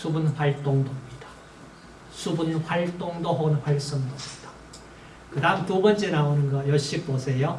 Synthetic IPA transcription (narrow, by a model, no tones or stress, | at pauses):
sʰubunɸwaɭt͈oŋdomɲid̥ḁ | sʰubunɸwaɭt͈oŋdoɦaɡɯnɸwaɭs͈oŋdomɲid̥ḁ | kɯdaɦɯmtubʌnt͡ɕ͈e̞naonɯnɡʌjʌɭɕ͈ip͈osʰe̞jo